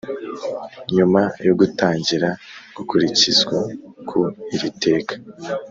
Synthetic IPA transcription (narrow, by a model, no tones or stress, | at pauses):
ɲumajoɡutaːɲɟiɾaɡ̥ukuɾicizɡwakʰuiɾite̞ːkḁ